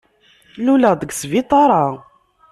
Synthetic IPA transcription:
lulæd̪ˤəɡsvit̪ˤɑɾˤɑ

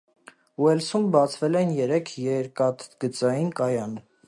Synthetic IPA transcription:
uɛlsumbɑt͡sʰvɛlɛnjɛɾɛkʰjɛɾkɑt̪ɡət͡sɑjinkɑjɑn

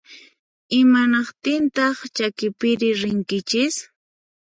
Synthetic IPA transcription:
ɪmanɑqt̪ɪnt̪ɑχt͡ʃakɪpɪɾɪɾɪŋkɪt͡ʃɪs

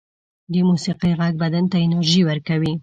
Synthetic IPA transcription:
d̪əmusiqiɣaɡ̚bad̪ant̪aɪnaɾʒiwəɾkawi

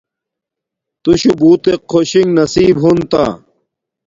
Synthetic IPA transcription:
t̪uɕubuːt̪eqʰːoɕiŋɡnɐsiːbɦunt̪a̰ː

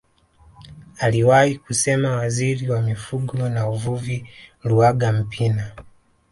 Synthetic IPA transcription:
aliwahikusɛmawaziɾiwamifuɡlɔnauvuviluaɡam̩pʰina

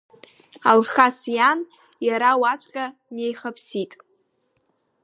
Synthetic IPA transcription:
alχasjan | jaɾawat͡ʃʷʼkʲʼane̞jχapʰsitʼ

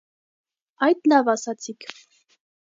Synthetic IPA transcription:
ɑjd̪lɑvɑsɑt͡sʰikʰ

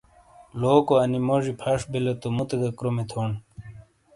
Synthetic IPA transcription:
loːkoɐnimoʐipʰɐʂbilɐt̪omut̪eɡ̪ɐkɾomit̪ʰon

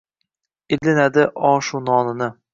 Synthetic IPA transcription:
ɪlːɪnad̪ɪʔɒʃunɒnɪnɪ

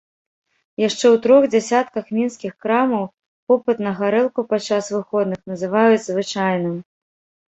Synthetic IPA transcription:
jaʂt͡ʂɛwt̪ɾɔɣd͡zʲasʲat̪kɐxmʲinskʲixkɾamɐw | pɔpɨt̪nɐɣaɾɛlˠkupat͡ʂːasvɨxɔd̪nɨxnɐzɨvajud͡zʲzvɨt͡ʂajnɨm

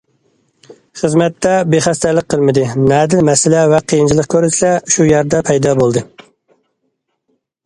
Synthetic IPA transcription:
χəzmɛt̪ːɛbeχæst̪æɾlɪk̚qʰːəlˠmɨd̪ɨnɛːd̪ɪɾmɛsɪlɛvɛqʰəjint͡ʃʰilˠəq̚kʲʰøɾɪlɛʃujæɾd̪ɛpʰɛjd̪ɑːbolˠd̪ɨ

